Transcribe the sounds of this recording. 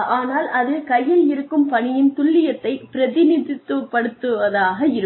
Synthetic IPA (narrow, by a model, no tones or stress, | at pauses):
aːnaːlʔɐðɯkɐjːɪlɪɾɯkːɯmpɐɳɪjɪnt̪ʊɭːɪjɐt̪ːɐɪpɪɾɐðɪniðɪt̪ːɯpːɐɽɯt̪ːɯʋɐðaːɣɐɪɾɯ